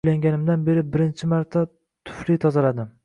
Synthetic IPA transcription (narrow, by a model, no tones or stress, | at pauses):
laŋɡʲanɪmd̪anbe̞ɾɪbɪɾɪnt͡ʃʰɪmaɾt̪ʰa | t̪ʰʊ̥flit̪ʰɒzalad̪ɪm